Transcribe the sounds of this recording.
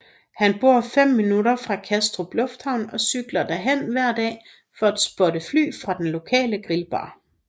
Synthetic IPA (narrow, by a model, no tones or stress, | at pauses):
hænb̥o̝ɐ̰fem̰ːinuɾɐfʁɑ̈kʰæsd̥ʁob̥lɔ̽fd̥hɑ̈ʊnɒ̽syɡ̥lɐd̥æɦen̰ʋæɐ̰d̥ɛ̰ː | fɒ̽æd̥sb̥ɒ̽ɾəfly̰ːfʁɑ̈d̥enlo̝kʰɛ̰ːləɡ̥ʁilb̥ɑ̰̈ː